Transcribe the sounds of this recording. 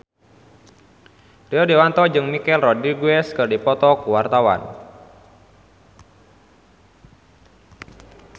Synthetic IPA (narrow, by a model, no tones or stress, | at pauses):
riɔdiwant̪ɔd͡ʒɨŋmikɛlrɔdiɡuɛskɨrdipɔt̪ɔkuwart̪awa̰n